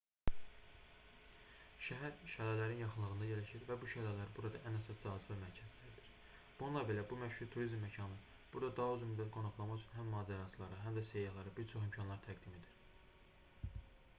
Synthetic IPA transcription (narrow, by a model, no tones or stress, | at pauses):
ʃæɦæɾʃælælæɾinjɑχɯnlˠɯɣɯnd̪ɑjelæʃiɾvæbuʃælælæɾibuɾɑd̪ɑ̰ʔænæsɑsd͡ʒɑːzivæmæɾcʰæzd̪æɾid̪iɾ̥ | b̥ununlˠɑbe̞læbumæʃhuɾt̪ʰuɾizmːæcʰɑnɯ | b̥uɾd̪ɑd̪ɑɦɑyznmyd̪ːæt̪̚ɡo̞nɑχlˠɑmɑt͡ʃʰynɦæmːɑːd͡ʒæɾɑsʰɯlˠɑɾɯɦæmd̪æsejɑhlˠɑɾɯbiɾt͡ʃʰo̞χimcʰɑnlˠɑɾt̪ʰæɡd̪ime̞d̪iɾ̥